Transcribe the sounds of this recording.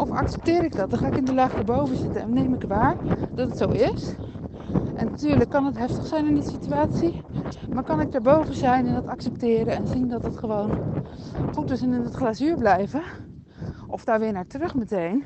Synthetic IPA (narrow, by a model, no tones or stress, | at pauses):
ʔɔfa̰ksɛ̥p̚tɪːɾɪk̚dɔt̚dɑnxaːɪkɪndəlaxdaːɹbowvəzɪtəɛ̰nnejmɪkʋaːɹd̥ɔtətsowɪs | ʔɛnatyːɹləkːɑnətɦɛftəxsɛjnɪndisityaːsimaɹkɑnɪk̚daːɹbowvəzɛjnɛndɑtɑksɛp̚tɪːɾənɛnzindɔtətχəʋoːn | χutɪsɛnɪnɔtχlasyːɹblɛjvə | ʔɔfdaːɹʋɪːɹnaːɹtrøxmətejn